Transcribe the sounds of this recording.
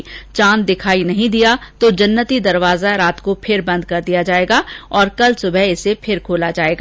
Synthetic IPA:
t͡ʃãːnd̪ɪkʰaːinɐɦĩd̪ijat̪od͡ʒɐnːət̪id̪ɐɾʋaːzaɾaːt̪kopʰɪɾbɐ̃nd̪̚kɐɾd̪ijad͡ʒaːeːɡaɔːɾkɐlsʊbʱɛɪsepʰɪɾkʰoːlad͡ʒaːeːɡaː

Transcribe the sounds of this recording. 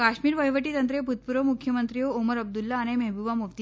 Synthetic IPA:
kaɕmiːɾʋəjʋəʈiːt̪ənt̪ɾeput̪̚puɾəmukʰjəmənt̪ɾijooməɾəb̚d̪ulːaːɽ̃emeɦbuʋamuʋt̪i

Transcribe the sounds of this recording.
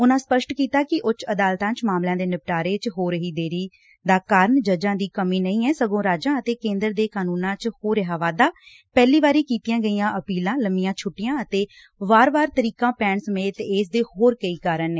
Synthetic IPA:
ʊnãːspəʃʈkiːt̪aːkɪʔʊt͡ʃəd̪aːlt̪ãːt͡ʃmaːmlãːd̪eːnɪp̚ʈaːɾeːt͡ʃɦoːɾəɦiːd̪eːɾiː | d̪aːkaːɾəɳd͡ʒəd͡ʒãːd̪iːkəmiːnəĩːɛːsəɡõːɾaːd͡ʒãːət̪eːkẽːnd̪əɾd̪eːkaːnuːnãːt͡ʃhoːɾəɦaːʋaːd̪aː | pɛːliːʋaːɾiːkiːt̪ijãːɡəiːãːʔəpiːlãːləmɪjãːt͡ʃʰʊʈːɪjãːət̪eː | ʋaːɾbaːɾt̪əɾiːkãːpɛːɳsəmeːt̪eːs̬d̪eːhoːɾkəiːkaɾəneː

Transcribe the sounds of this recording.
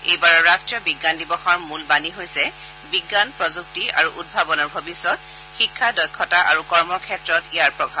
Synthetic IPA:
ejbaɹɔɹastɹijɔbiɡːandibɔxɔɹmulbaniɦojsɛ | biɡːanpɹɔzuktiaɹuʔud̚bʱabɔnɔɹbʱobisɔt̚ | xikʰːadɔjkʰːɔtaʔaɹukɔɹmɔkʰɛtɹɔtijaɹpɹɔbʱab

